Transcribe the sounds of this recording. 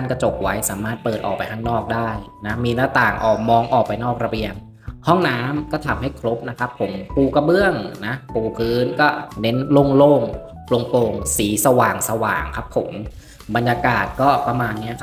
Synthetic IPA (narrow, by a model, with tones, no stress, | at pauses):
t̪ʰa˥˩nka˧˩t͡ɕo˨˩k̚wa˦˥jsaː˩˦maː˥˩t̪̚pɤː˨˩t̪ʔɔː˨˩pa˧jt̪ʰaː˥ŋnɔː˥˩k̚daː˥˩jna˦˥miː˧na˦˥t̪aː˨˩ŋʔɔː˨˩k̚mɔː˧ŋʔɔː˨˩k̚pa˧jnɔː˥˩k̚ɾa˧bi˧əŋ | hɔ˥˩ŋnaː˦˥mkɔː˥˩t̪ʰa˨˩˦mɦa˥˩jkʰlo˦˥p̚na˦˥kʰa˦˥pʰːo˩˦mpuː˧ka˧bɯ˥˩əŋna˦˥puː˨˧pʰɯː˦˥nkɔː˥˩ne˦˥nlo˥˩ŋloː˥˩ŋ | plo˧ŋpoː˧ŋsiː˩˦sa˧waː˨˩ŋsa˧wa̰ː˨˩ŋkʰa˦˥pʰːo˩˦m | ba˧njaː˧kaː˨˩t̪̚kɔː˥˩pɾa˧maː˧nːi˦˥ɐkʰa˦